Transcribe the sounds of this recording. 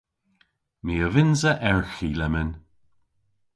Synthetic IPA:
miːəvɪnzəʔɛɹxiːlɛmɪn

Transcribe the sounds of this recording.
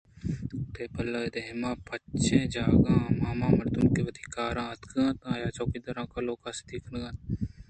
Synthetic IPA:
t̪eːpɐləːd̪eɦmãːpɐt͡ʃẽːd͡ʒaːɡãːmaːmãːmɐɾd̪umkeʋɐd̪ikaːɾãːɐt̪kãːt̪ãːjaːt͡ʃoːkid̪ɐɾãːkɐloːkasd̪ikʰnɡãːt̪

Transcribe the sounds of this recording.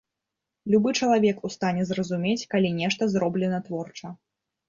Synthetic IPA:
lʲubɨt͡ʂɐlˠavʲɛkust̪anʲɛzrɐzumʲet͡sʲkalʲinʲɛʂt̪ɐzɾɔblʲɛnɐt̪vɔrt͡ʂɐ

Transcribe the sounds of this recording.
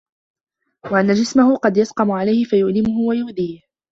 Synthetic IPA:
waʔanːad͡ʒɪsmahʊqɑd̪jasqɑmʊʕalajhɪfajʊʔlɪmʊɦʊwajʊːd̪iːh

